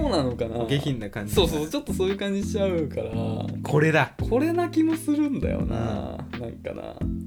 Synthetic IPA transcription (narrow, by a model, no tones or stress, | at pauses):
oːnano̞kanaɡeçʲĩnːakãɲ̟d͡ʑisoːsoːsot͡ɕo̞t̪ːo̞soːjɯ̟ːkãɲ̟d͡ʑiɕaɯ̟kaɾakʰo̞ɾe̞d̪akʰo̞ɾe̞nakʲimo̞sɨɾɯ̟̃nd̪a̰jo̞̰na̰nã̰ŋka̰na̰